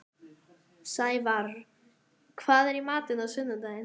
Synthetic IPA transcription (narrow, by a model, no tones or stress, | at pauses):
sajvar | kʰvaːðɛɾimaːt̪ɪnaðsʏnːʏnt̪aɪn